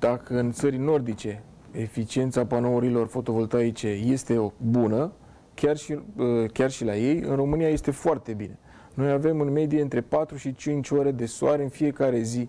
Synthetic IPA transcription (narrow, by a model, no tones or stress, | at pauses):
d̪̥akʰəɨnt̪səɾʲno̞rd̪it͡ʃe̞ | efit͡ʃie̞nt̪sapano̞uɾilo̞rfo̞t̪o̞vo̞lt̪ait͡ʃe̞je̞st̪e̞obunə | kʲarʃiəkʲarʃilaje̞jɨ̰nro̞mɨnijaje̞st̪efoart̪e̞bine̞ | no̞jave̞mɨnme̞d̪ieɨnt̪ɾe̞pat̪ɾuʃit͡ʃint͡ʃʲo̞ɾe̞d̪e̞soaɾeɨnfije̞kaɾe̞zi